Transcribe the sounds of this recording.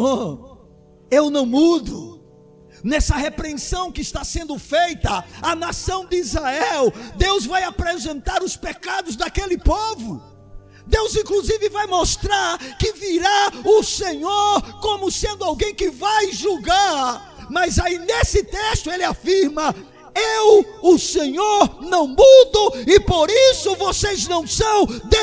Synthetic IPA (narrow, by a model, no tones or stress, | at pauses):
o | ewnɐ̃w̃mud̪ʊ | nɛsɐɦepɾeẽsɐ̃w̃kɪɪst̪asẽnd̪ʊfejt̪ɐɐnasɐ̃w̃d̪ɪizhaɛwd̪ewzvajapɾezẽnt̪aɾʊspekad̪ʊzd̪akelɪpovʊ | d̪ewzĩkluzivɪvajmost̪ɾaɾkɪviɾaʊsẽɲoɾkõmʊsẽnd̪ʊawɡẽj̃kɪvajʒuɡaɾ | mɐzainesɪt̪eʃt̪ʊelɪafiɾmɐ | ewʊseɲoɾnɐ̃w̃mud̪ʊɪpoɾisʊvoseznɐ̃w̃sɐ̃w̃d̪e